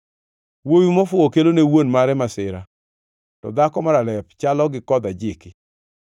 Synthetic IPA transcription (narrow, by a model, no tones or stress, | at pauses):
wojumɔfʊokelonewonmaɾɛmasɪɾa | tɔ̰d̪akɔmaɾalɛpt͡ʃalɔɡɪkɔd̪ad͡ʒɪkɪ